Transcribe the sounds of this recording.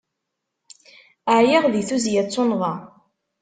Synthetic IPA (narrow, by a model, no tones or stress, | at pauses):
əʕjɪʁðiθuzjæt͡sːʊnʁɑ